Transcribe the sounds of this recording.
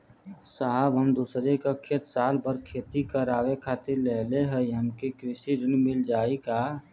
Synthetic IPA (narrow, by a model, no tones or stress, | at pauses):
saɦəbɦəmd̪uːsɾekəkʰet̪saːlbəɾkʰeːt̪ikəɾaːwekʰaːt̪iɾleːleɦɛjəmkikɾɪsiɾɪnmɪld͡ʒaːika